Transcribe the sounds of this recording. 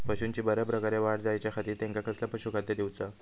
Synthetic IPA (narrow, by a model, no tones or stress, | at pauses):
pəɕuːnt͡ɕiːbəɾjapɾəkaɾjaʋaɽd͡zajt͡ɕjakʰat̪iːt̪ẽŋkakəslapəɕukʰat̪jed̪iwt͡sa